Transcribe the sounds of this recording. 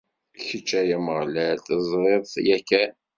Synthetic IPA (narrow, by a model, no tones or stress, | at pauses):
çət͡ʃːæjaməʁlælt̪əzˤɾeðˤθjækːæ